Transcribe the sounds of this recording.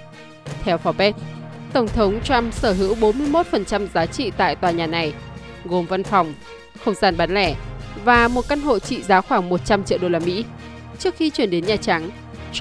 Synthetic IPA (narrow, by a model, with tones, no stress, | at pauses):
t̪ʰɛ˧wfɔ˨˦ɓɛ˦˥t̚t̪ə˧˩wŋ͡mt̪ʰə˨˦wŋ͡mt͡ɕwa˧msəː˧˩ɦɨ̰˧˥wɓo˨˦nmɨ˧əjmo˦˥t̚fə˨˩nt͡ɕa˧mzaː˨˦t͡ɕḭ˧˨t̪a̰ː˧˨jt̪waː˨˩ɲaː˨˩na˨˩j | ɣo˨˩mva˧nfa˨˩wŋ͡m | xə˧wŋ͡mzaː˧nɓaː˨˦nlɛ˧˩vaː˨˩mo˨˩t̚ka˧nɦo̰˧˨t͡ɕḭ˧˨zaː˨˦xwaː˧˩ŋmo˨˩t̚t͡ɕa˧mt͡ɕḭ˧˨wɗo˧laː˧mḭ˧˥ | t͡ɕɨ˦˥ək̚xi˧t͡ɕwi˧˩ənɗe˨˦nɲaː˨˩t͡ɕa˨˦ŋ